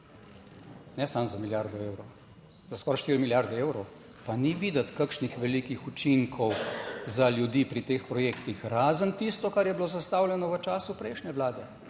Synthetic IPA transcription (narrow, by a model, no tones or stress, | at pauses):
nɛsamzamiljaːɾd̪ɔeːwɾɔ | zaskɔːɾaʃt̪iɾmiljaɾd̪ɛeːwɾɔw | paniʋiːd̪ɐt̪kakʃnixʋɛliːkixut͡ʃiŋkʰɔwzaljud̪iːpɾit̪eːxpɾɔjeːkt̪ixɾaːzənt̪ist̪ɔkaɾjɛbiloːzast̪aːwljɛnɔʋət͡ʃaːsupɾɛɪʃnʲɛʋlaːd̪ɛ